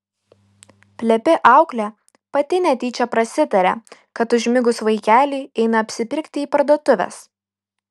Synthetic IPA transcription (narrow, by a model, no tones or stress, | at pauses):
pʲlʲɛpʲɪʔɑˑʊklʲɛ | pɐt̪ʲɪnʲɛt̪ʲiːt͡ʃʲɛpɾɐsʲɪt̪ɐɾʲɛ̰ | kɐt̪ʊʒʲmʲɪɡʊsʋɐɪkʲæːlʲiɪɛɪnɐːpʲsʲɪpʲɪɾʲkt̪ʲɪiːpɐɾd̪uɔt̪ʊʋʲɛ̰s